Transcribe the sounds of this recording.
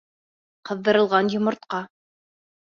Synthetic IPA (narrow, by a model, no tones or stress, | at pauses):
qɤ̆ðːɤ̆ɾɤ̆lˠʁɑnjŏmɤ̆ɾt̪̚qɑ